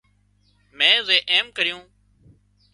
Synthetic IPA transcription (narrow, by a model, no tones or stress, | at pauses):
mɛ̃ːʊzeːʔeːmkəɾɪjũː